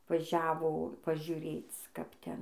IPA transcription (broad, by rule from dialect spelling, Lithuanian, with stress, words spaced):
ʋɐˈʒʲæːʋoː pɐʒʲʊˈrʲeːt͡s kɐp ˈtʲɛn